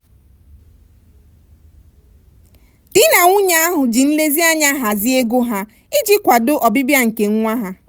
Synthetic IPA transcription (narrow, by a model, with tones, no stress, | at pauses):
d̥ɪ˦na˨ŋʷʊ˦ɲa˦a˦ɦʊ˨d͡ʒi˨n̩˦le˦zi˦a˦ɲa˦ɦa˨zɪ˦e˦ɡo˦ɦa˦ | ɪ˦d͡ʒi˦kʷa˨dʊ˦ʔɔ˨bɪ˦bja˦ŋ̩˨ke˨ŋ̩˦ŋʷa˦ɦa˦